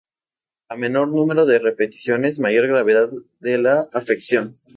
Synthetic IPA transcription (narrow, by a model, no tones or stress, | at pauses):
ame̞no̞ɾnũme̞ɾo̞ðe̞re̞pe̞t̪i̥sjo̞ne̞zmaʝo̞ɾɣɾaβe̞ðað | ðe̞laːfeksjo̞n